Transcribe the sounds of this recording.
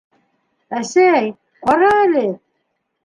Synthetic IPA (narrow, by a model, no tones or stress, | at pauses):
æsæj | qɑɾɑælɘ